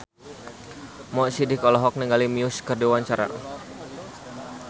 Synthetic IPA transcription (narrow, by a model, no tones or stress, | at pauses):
mɔʔsidikɔlɔɦɔk̚niŋɡalimiʊskərdiwaɲt͡ʃaɾa̰